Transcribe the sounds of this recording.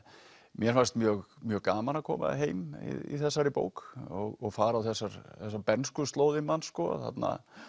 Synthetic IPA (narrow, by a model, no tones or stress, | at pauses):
mjɛɾvast̪mjœːɣmjœːɣkaːmanakʰɔːma̰ɦeːjmḭḭθɛsːaɾɪpo̰ːwkɔɣɔɣfaːɾawθɛsːaɾθɛsːapɛnskʏðst̪lowðɪmanskɔθa̰t̪na̰